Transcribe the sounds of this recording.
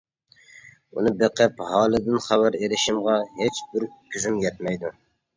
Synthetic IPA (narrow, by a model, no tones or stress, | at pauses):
unɨbeqʰɨphɑːlˠɨd̪ɪnχæbæɾeɾɪʃɪmʁɑɦet͡ʃbɪɾkʲʰyzymjɛt̪mɛjd̪u